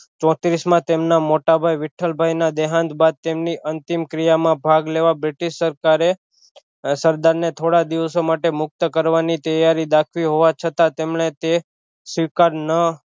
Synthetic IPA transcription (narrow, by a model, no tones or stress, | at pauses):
t͡ʃɔ̃t̪ɾismãt̪emnamoʈabʱajʋɪʈʰːəlbʱajnad̪eɦãnd̪bad̪̚t̪emniʔənt̪imkɾijamãbʱaɡleʋabɾiʈiʃsːəɾkaɾe | səɾd̪aɾnet̪ʰoɽad̪iʋəsomaʈemʊk̚t̪əkəɾʋanit̪əjaɾid̪akʰʋiɦoʋat͡ʃʰət̪at̪emɳet̪e | sʋikaɾnə